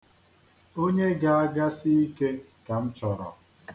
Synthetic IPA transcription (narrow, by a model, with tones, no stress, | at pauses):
o˦ɲe˦ɡa˨a˦ɡa˦sɪ˦i˦ke˦ | ka˨n̩˦t͡ʃɔ˨ɾɔ̰˨